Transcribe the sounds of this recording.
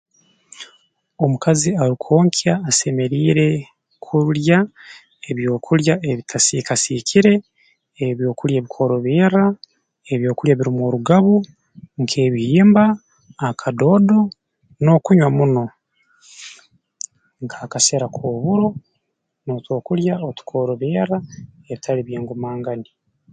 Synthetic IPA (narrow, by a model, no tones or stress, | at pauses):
o̞mukaziaɾikʰo̞ːŋkʰiaːse̞me̞ɾiːɾe̞ | kʰulja | eβjo̞ːkʰuɾjaeβitʰasikasikʰiɾe̞ː | βjo̞ːkuɾjaβikʰo̞ɾo̞βiːɾa | e̞βjo̞ːkuɾjaβiɾimoɾuɡaβu | ŋkʰe̞ːβihiːmbaː | kʰado̞ːdo | no̞kuɲwamuno̞ | ŋkʰḁːkaseɾakʰoːβuɾo̞ | noːtwo̞ːkuljaotu̥kʰo̞ːɾo̞βeːɾae̞βitʰaliβjeːŋɡumaːŋɡani